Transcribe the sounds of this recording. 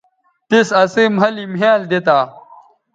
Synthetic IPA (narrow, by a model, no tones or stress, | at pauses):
t̪isɐsemɦɐlimeːld̪et̪aː